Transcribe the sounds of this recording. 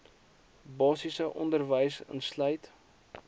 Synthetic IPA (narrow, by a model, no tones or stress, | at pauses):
bɑːsisəʔɔndərvəjsə̰nslœjt